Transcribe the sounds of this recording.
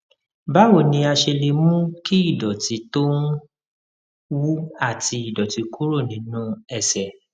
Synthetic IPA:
ba˦wo˦˨nĩ˧a˧ʃe˧le˧mũ˦ki˦i˦˨dɔ˨ti˨˧˦to˦n˦ | wu˦a˦˨ti˧i˨dɔ˨ti˨˦ku˦ɾo˦˨nĩ˨˦nũ˦ɛ˦˨sɛ˨

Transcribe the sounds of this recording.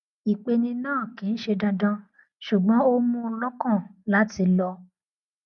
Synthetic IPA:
i˨k͡pe˧nĩ˧nãː˦˨kĩ˨n̩˦ʃe˧dã˧dã˧ | ʃu˨ɡ͡bɔ̃˨˦o˦mũ˦˧˦lɔ˦kã˦˨la˦ti˧lɔ˧

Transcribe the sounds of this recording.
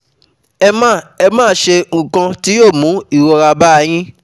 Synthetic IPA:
ɛ˧mãː˦˨ɛ˧mãː˦ʃe˧ŋ̩˨kã˧ti˦joː˦˨mũ˨˦i˦˨wɔ˧ɾa˧ba˦˧j̃ĩ˦

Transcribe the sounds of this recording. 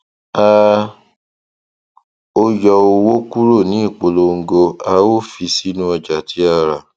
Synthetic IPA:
a˧ | o˧jɔ˧o˧wo˦ku˦ɾo˦˨nĩ˨˦i˦˨k͡po˧lo˧ŋ̩˦ɡo˧a˧wo˦fi˧si˦nũ˦ɔ˧d͡ʒa˨tʰi˨˦a˧ɾa˨

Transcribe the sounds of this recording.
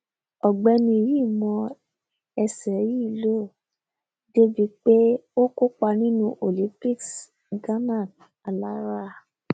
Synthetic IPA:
ɔ˨ɡ͡bɛ˧˦nĩ˧ji˦˨mɔ̃˧ | ɛ˧sɛ˨ji˦i˧lo˦˨ | de˦bi˧k͡pe˦o˦ko˦k͡pa˧nĩ˦nũ˧˦ʔo˨lĩ˨˦pi˦˨ks | ɡã˦nã˦˨n | a˧la˦ɾa˦˨

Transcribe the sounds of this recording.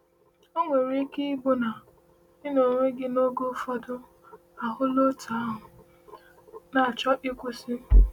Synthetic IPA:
o˦ŋʷe˨ɾi˦ki˦bo˦na˨ | ɪ˦no˨ŋʷe˦ɡɪ˦no˦ɡo˦fɔ˦dʊ˦ | a˨ɦʊ˦lo˦tʰa˨˦ɦʊ˨ | na˨a˨t͡ʃɔ˦ʔɪ˦kʷe˦sɪ˦

